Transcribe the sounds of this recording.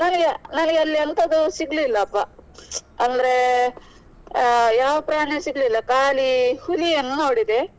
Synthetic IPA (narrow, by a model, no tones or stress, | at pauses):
nɐnɐɡenɐnɐɡeɐlːiɐnt̪ɐd̪usiɡlilːɐːpːɐ | ɐnd̪ɐɾe | jaːʋɐpɾaːɳesiɡlilːɐkaːlihuliɐnːunoːɽid̪e